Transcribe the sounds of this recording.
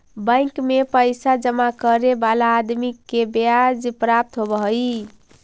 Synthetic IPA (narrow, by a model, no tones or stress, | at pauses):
bə̃jkmepəjsad͡ʒəmakəɾebalaːd̪mikːebead͡ʒpɾap̚t̪ɦobəɦəj